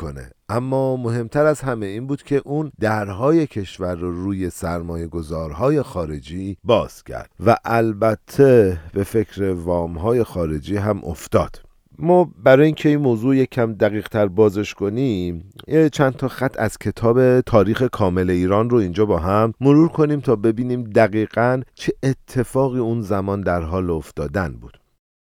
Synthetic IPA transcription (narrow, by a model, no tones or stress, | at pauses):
o̰nḛʔæmːɒːmo̞ɦe̞mt̪ʰæɾæzɦæme̞iːnbuːd̪cʰe̞ʔuːnd̪̥æɾɦɒːje̞cʰe̞ʃvæɾːɔruːje̞sæɾmɒːje̞ɡo̞zɒːɾɦɒːje̞xɒːɾe̞d͡ʒiːbɒːz̥cʰæ̰ɾd̪̥væʔælbæt̪ʰːebe̞fe̞cʰɾevɒːmɦɒːje̞xɒːɾe̞d͡ʒiːɦæmʔo̰ft̪ɒ̰ːd̪̥ | mɒːbæɾɒːjiːŋcʰe̞inmoːzuːjecʰæmd̪æɣiːɣ̥t̪ʰæɾbɒːzeʃko̞niːmjet͡ʃʰænt̪ʰɒːxæt̪ʰːæ̰z̥cʰe̞t̪ʰɒːbe̞t̪ʰɒːɾiːxe̞kʰɒːme̞le̞iːɾɒːnroind͡ʒɒːbɒːɦæmːoɾuːɾkʰo̞niːmt̪ʰɒːbe̞biːniːmd̪æɣiːɣænt͡ʃʰe̞ʔet̪ʰːe̞fɒːɣiːunzæmɒːnd̪æɾɦɒːloft̪ɒːd̪ænbuːd̪̥